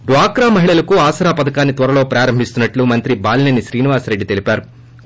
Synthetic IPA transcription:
ɖʋaːkɾaːmɐɦiɭɐlɐkuaːsɐɾaːpɐd̪ɐkaːnːit̪ʋɐɾɐlo̞ːpɾaːɾɐmbʱist̪unːɐʈlumɐnt̪ɾibaːlnenːiʃɾiːniʋaːsɾe̞ɖːit̪elipaːɾu

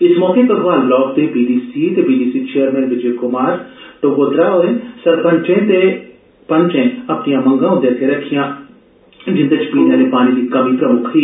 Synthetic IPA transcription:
ɪsmɔːkẽkɐsʋaːlɡlɔːɡ̚t̪eːbiːɖiːsiːt̪ebiːɖiːsiːt͡ʃeːəɾmɛ̃ːnʋɪd͡ʒekʊmaːɾʈ̪oɡoːd̪ɾaːoẽsɐɾpɐ̃nt͡ʃẽːt̪e | pɐ̃nt͡ʃẽɐpnijãːmɐ̃ŋɡãːɦʊ̃nd̪eːt̪ʰeɾɐkʰːijãː | d͡ʒɪ̃nd̪ət͡ʃʰpiːnẽːlẽpaːniːd̪ikɐmĩːpɾɐmʊkʰiː

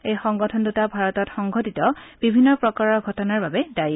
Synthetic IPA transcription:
ejxɔŋɡɔtʰɔndutabʱaɹɔtɔtxɔŋɡʱɔtitɔb̥ibʱinːɔpɹɔkaɹɔɡʱɔtɔnaɹbabɛdaj

